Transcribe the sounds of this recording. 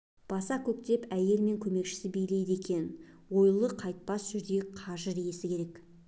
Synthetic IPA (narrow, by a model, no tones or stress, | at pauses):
b̥ɑsɑkʲʰɵk̚t̪e̞pæje̞lme̞ŋkʲʰɵme̞kʃɪ̥sɪbe̞jle̞jd̪e̞kʲe̞n | wo̞jlˠəqʰɑjt̪̚pɑsʒʏɾd̪e̞qʰɑʒəɾije̞sɪkʲʰe̞ɾe̞k